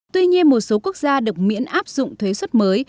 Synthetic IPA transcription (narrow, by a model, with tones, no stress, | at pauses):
t̪wi˧ɲi˧ənmo˨˩t̚so˨˦ku˦˥ək̚zaː˧ɗɨ˨˩ək̚mḭ˧˥ənʔaː˦˥p̚zʊ̰˧˨ŋ͡mt̪ʰwe˨˦swə˦˥t̚məː˨˦j